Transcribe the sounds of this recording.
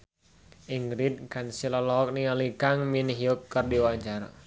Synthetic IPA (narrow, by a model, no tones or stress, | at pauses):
ʔiŋɡɾid̪̚kansilalɔɔk̚nialikaŋminɦiɔkːərdiwad͡ʒara̰